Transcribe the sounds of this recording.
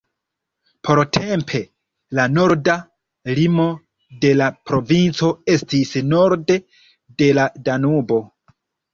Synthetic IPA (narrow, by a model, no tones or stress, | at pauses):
pʰo̞ɾtʰe̞mpʰe̞ | lano̞ɾda | limo̞ | de̞lapɾo̞vint͡so̞e̞stisno̞ɾde̞ | de̞ladanubo̞